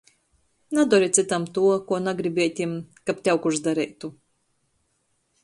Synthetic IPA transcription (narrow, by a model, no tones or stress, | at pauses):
nad̪ɔɾit̪sit̪amt̪uɔkuɔnaɡɾibʲiɛt̪ʲimkapt̪ʲawkuʒd̪aɾɛjt̪u